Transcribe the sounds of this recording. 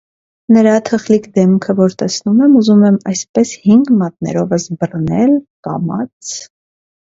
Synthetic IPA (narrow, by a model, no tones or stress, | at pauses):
nəɾɑt̪ʰəχlikd̪ɛmkʰəvɔɾt̪ɛsnumɛmuzumɛmɑ̰jspɛshiŋɡmɑt̪̚nɛ̰ɾɔvəsbərnɛlkɑ̰mɑ̰t͡sʰ